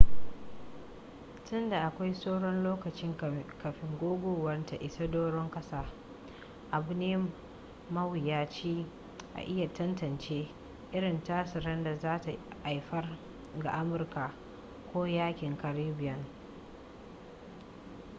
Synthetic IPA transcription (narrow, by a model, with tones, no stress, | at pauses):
tʊ˦nda˨ʔa˨kʷa˦jsoː˦ɽɔ˦nloː˦kɐ˨t͡ʃɪ˦ŋkɐ˨ɸɪ˨ŋɡʷoː˦ɡʷoː˨wɐ˦rta˨ʔɪ˨sa˦doː˦ɽɔ˦ŋkɐ˦saː˨ | ʔa˨bʊ˨˦neː˦ | mɐ˦wɪ˨jaː˦t͡ʃiː˦ | ʔa̰˨ʔɪ˦ja˨tɐ˦ntɐ˨nt͡ʃeː˦ | ʔɪ˦ɽɪ˨ntaː˦sɪ˨ɾɐ˦nda˨zaː˦ta˨ʔa˨jɸɐ˦r | ɡa̰˨ʔa˦mʊ˨rka˨ | kʷoː˦jaː˦kʲɪ˨ŋkɐ˨ɾiː˦bɪ˨jɐ˨ŋ